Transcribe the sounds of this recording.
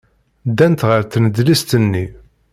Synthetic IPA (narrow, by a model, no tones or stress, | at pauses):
d̪ænt̪ʁəɾθnəd̪list̪ənːi